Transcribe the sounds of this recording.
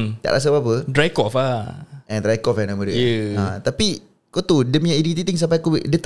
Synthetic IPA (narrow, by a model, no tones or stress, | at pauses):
t̪a̰ʔlʔa̰s̬abapədɾajkɔfaɛ̃nd̪ɾajkɔfɛnamədəjəãt̪api | kot̪udəmijãidit̪it̪iŋs̬ampajkowiʔdət̪